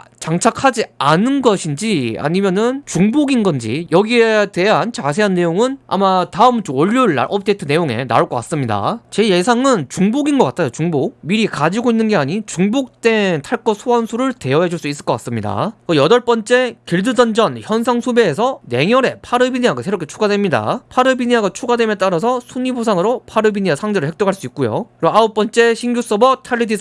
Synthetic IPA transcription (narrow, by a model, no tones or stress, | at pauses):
t͡ɕaŋt͡ɕʰakʰad͡ʑianɯnɡʌɕʰind͡ʑia̰ɲimjʌnɯnt͡ɕuŋboɡinɡʌnd͡ʑḭjʌɡiede̞ɦant͡ɕas̬ʰe̞ɦanːe̞joŋɯna̰mataɯmt͡ɕoʌʎːuɭa̰ɭʔʌp̚ʰdetʰɯne̞joŋe̞̰na̰ok͈ʌk͈as͈ɯmɲida̰t͡ɕe̞je̞sʰaŋɯnt͡ɕuŋboɡinɡʌk͈atʰajot͡ɕuŋbok̚miɾikad͡ʑiɡoinːɯnɡe̞aɲit͡ɕuŋbok̚t͈e̞ntʰaɭk͈ʌsʰuansʰuɾɯɭte̞ʌɦed͡ʑuɭs͈uis͈ɯɭk͈ʌk͈as͈ɯmɲida̰ʌjʌdʌɭp͈ʌnt͡ɕ͈e̞kiɭdɯd͡ʑʌnd͡ʑʌnçjʌnsʰaŋsʰube̞ːsʰʌne̞ŋjʌɾe̞pʰaɾɯbiɲiaɡasʰe̞ɾokʰe̞t͡ɕʰuɡadwe̞mɲida̰pʰaɾɯbiɲiaɡat͡ɕʰuɡadwe̞mjʌnt͈aɾas̬ʰʌsʰuɲibʰosʰaŋɯɾopʰaɾɯbiɲiasʰaŋd͡ʑeɾɯɭhek̚t͈oɦaɭs͈uik͈ujo̰ɯɾaop͈ʌnt͡ɕ͈e̞ɕʰiŋɡjus͈ʌbʌtʰaɭːidisʰ